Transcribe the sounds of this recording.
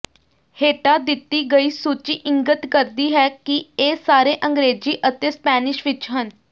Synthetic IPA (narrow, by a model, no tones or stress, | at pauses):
heːʈaːd̪ɪt̪ːiːɡəiːsuːt͡ʃiːʔɪ̃ŋɡət̪kəɾd̪iːɦɛːkieːsaːɾeːʔə̃ŋɡɾeːd͡ʒiːʔət̪eːspɛːnɪʃʋɪt͡ʃɦən